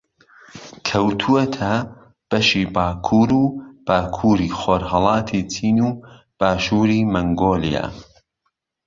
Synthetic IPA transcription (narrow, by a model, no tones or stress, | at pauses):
kʰɐwt̪ʰuwɐt̪ʰɐ | b̥ɐʃiːbaːkʰuːɾuːb̥aːkʰuːɾiːxoːɾhɑlˠɑːt̪ʰit͡sʰiːnuː | b̥aːʃuːɾiːmɐŋɡoːlḭja̰ː